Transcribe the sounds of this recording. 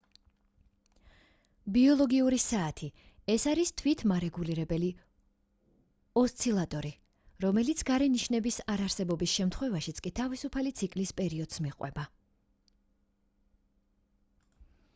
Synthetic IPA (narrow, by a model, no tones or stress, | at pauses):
biɔlˠɔɡiuɾisaːt̪ʰi | ɛsaɾist̪ʰwit̪ʰmaɾɛɡuliɾɛbɛli | ɔst̪sʰilˠat̪ʼɔɾi | ɾɔmɛlit̪sʰɡaɾɛniʃnɛbisaɾaɾsɛbɔbisʃɛmt̪ʰχwɛvaʃit̪sʰkʼit̪ʰavisupʰalit̪sʰikʼlispʼɛɾiɔd̪̥smiqʼwɛ̰ba